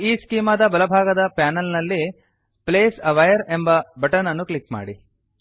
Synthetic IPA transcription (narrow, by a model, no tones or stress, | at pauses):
iːskiːmɐːd̪ɐbɐlɐbʱaːɡɐd̪ɐpaːnɐlnɐlːi | pleːsɐʋɐjɐɾe̞mbɐbɐʈɐɾnɐnːuklikma̰ːɽi